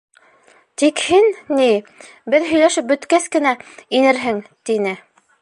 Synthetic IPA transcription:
t̪ikhinni | bɘðɦɵ̆jlæʃɘp̚bɵ̆t̪kæskɘ̆næinɘɾɦɘŋt̪inɘ

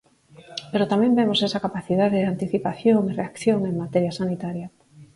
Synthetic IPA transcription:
peɾot̪amembemosesakapaθiðaðeðant̪iθipaθjoŋireakθjoŋeŋmat̪eɾjasanit̪aɾja

